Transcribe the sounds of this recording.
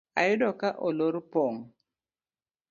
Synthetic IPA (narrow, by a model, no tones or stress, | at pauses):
a̰jʊdɔkaʔoloɾpoŋ